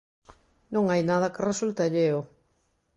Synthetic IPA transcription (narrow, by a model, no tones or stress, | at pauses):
nõŋajnaðɐkɪresult̪aʎeo